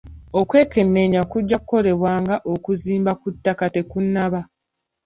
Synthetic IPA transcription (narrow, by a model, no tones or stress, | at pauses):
o̞kwe̞ːke̞nːe̞ɲakuɟːakuko̞ɾe̞βwaːŋɡaʔo̞kuziːmbakutːakate̞kunːaβa